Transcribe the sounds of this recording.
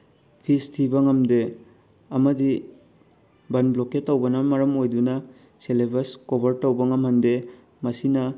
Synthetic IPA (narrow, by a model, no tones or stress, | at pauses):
pʰistʰibɐŋɐmde | ɐmɐdi | bɐnbloketːɐwbɐnɐmɐɾɐmojdunɐ | selebɐskobɐɾtɐwbɐŋɐmhɐnde | mɐsinɐ